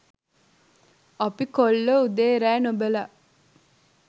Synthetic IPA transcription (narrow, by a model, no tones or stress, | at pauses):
ɐpikolːoud̪eːɾæːnobelaʔ